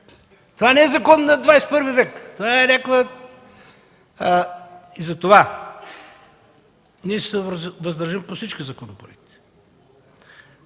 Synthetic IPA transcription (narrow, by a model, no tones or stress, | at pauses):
t̪ovanɛɛzɐkɔnːnɐd̪vajspɤɾvivɛkt̪ovaɛɾɛklˠə | izɐt̪ova | niɛsɛvvɐzd̪ɐɾʒimposit͡ʃkʲizɐkonopɾoɛk̚t̪i̥